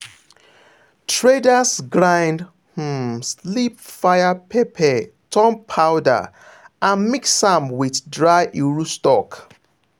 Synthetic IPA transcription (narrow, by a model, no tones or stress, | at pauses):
tʰɹedasɡɹãɪ̃nd | h̩slipfajapʰepʰɛtʰɔ̃mpʰːaʊda̰ | ãnmiksãmwiθdɹaʔiɹustɔk